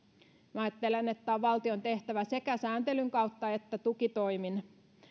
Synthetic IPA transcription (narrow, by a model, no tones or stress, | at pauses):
mɑːjɑt̪ːelenet̪ːæːʋʋɑlt̪io̞nt̪e̞ht̪æʋæse̞kæsæːnt̪elyŋkɑut̪ːɑet̪ːæt̪ukit̪o̞imin